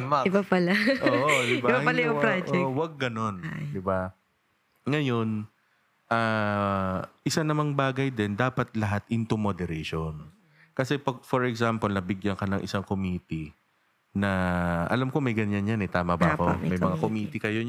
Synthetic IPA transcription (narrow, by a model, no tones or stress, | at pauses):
maɪbapɐlaʔoʔod̪ɪbaɪbapɐlajʊpɾad͡ʒʔɛʔwɐɡ̚ːɐno̞nd̪ɪba | ŋɐjo̞n | ʔaː | ʔɪsanɐmɐŋbaːɡɐjd̪ɛnd̪aːpɐt̪̚lɐɦat̪ɪnt̪ʊmod̪ɛɾeʃon | kɐsɛpɐɡ̚fɔɹɛksampolnɐbɪɡjɐŋkɐnɐŋʔɪ̰saŋkomiːt̪i | nɐʔɐ̰lamko̞mɐjɡɐɲjanɲanɛt̪aːmɐbakomɐjjmɐŋakomiːt̪ɪkɐjo